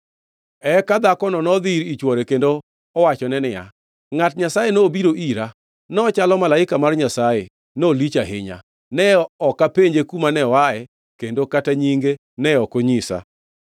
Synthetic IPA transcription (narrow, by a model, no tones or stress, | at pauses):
ɛkad̪akɔnɔnɔd̪iɾit͡ʃwɔɾekendoː | wat͡ʃɔnɛnɪja̰ | ŋatɲasajenoːbiɾoʔiɾa | nɔɔt͡ʃalɔmalaɪkamarɲasaje | nolit͡ʃaɦɪ̰ɲa̰ | nɛɔkapeɲd͡ʒekumanɛwaɛ | kendokataɲiŋɡe | nɛɔkoɲisa̰